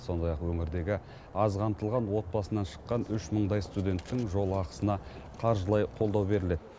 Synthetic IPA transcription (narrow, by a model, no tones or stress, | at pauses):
so̞nd̪ɑjɑqwɵŋɪɾd̪e̞ɡʲɪ | ɑzʁʰɑnt̪əlˠʁɑnwo̞t̪̚bɑsənɑnʃə̥qːɑnʏʃməɴd̪ɑjst̪ud̪ʲe̞nt̪ːɪŋʒo̞lˠəɑqə̥sənɑ | qʰɑɾʒəlˠɑjqʰo̞lˠd̪ɑwbe̞ɾɪle̞d̪̥ɪ